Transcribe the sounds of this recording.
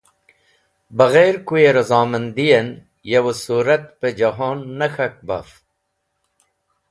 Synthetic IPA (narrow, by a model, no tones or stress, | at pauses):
bɐɣeɾkujeɾɐzaːmɐnd̪ijɐn | jɐwosuːɾɐt̪ped͡ʑɐɦoːnːɐxɐk̚bɐ̰f